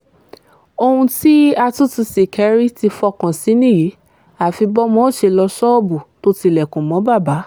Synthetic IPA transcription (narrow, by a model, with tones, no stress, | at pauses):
o˧hũ˧ti˦a˧tu˦tu˧si˨kʰɛ˨˧ɾi˦ti˧fɔ˧kã˨si˨˦nĩ˦˨ji˨˦ | a˨fi˧bɔ˦mɔ̃˦ʃe˧lɔ˧sɔ˦ɔ˦bu˨to˦ti˧lɛ˨kũ˨mɔ̃˨˦ba˦˨ba˨˦